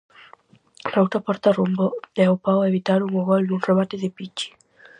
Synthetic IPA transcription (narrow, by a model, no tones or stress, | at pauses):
lawt̪ɾapɔɾt̪arumboɛawpawaeβit̪aɾuŋoɣɔld̪unt̪ɾoβat̪ɪðɪpit͡ʃi̥